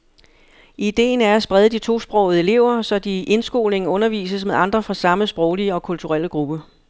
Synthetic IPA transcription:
ʔid̥e̝̰ːnæɐæsb̥ʁɛð̞ˠəd̥it͡sʰo̝̰ːsb̥ʁɒ̰ʊð̩ˠe̝le̝ʊ̰ɐsɒ̽d̥iʔe̝nsɡ̥o̝̰ːlne̝ŋn̩ɔ̽nɐʋḭːsəsmeðˠɑ̈nd̥ʁɐfʁɑ̈sɑ̈məsb̥ʁɒʊliəɒ̽kʰult͡sʰuʁal̰əɡ̥ʁub̥ə

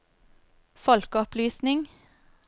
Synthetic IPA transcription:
fɔlkɔplyːsnɪŋ

